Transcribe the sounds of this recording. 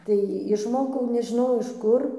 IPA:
tɐɪ ɪʃˈmoːkɐʊ nʲɛʒʲɪˈnɐʊ ɪʃ ˈkʊr

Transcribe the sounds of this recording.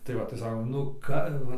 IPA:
tɐɪ ˈʋɐ tɐɪ ˈsɑːkoːm nʊ ˈkɐ

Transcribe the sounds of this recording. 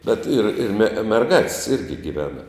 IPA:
bʲɛt ɪr ɪr mʲɛ mʲɛrˈɡɑːtʲsʲ ˈɪrʲɡʲɪ ɡʲɪˈʋʲæːnɐ

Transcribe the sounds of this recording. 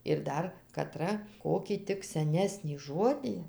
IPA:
ɪr ˈdɐr kɐˈtrɐ ˈkoːkʲiː ˈtʲɪk sʲɛˈnʲæːsʲnʲiː ˈʒoːdʲiː

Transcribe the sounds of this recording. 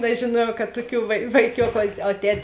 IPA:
nʲɛʒʲeːˈnuɔjɛʊ kɐt ˈtʊˌkʲuː ʋɐɪ ʋɐɪˈkʲoːkʊ oː ˈtʲɛtʲ

